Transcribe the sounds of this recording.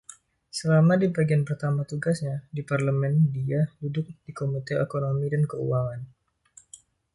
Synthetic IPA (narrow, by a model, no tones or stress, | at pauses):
səlamadibaɡianpərt̪amat̪uɡasɲadiparləmɛndiahudʊk̚dikomit̪eekonomidankəṵwaŋan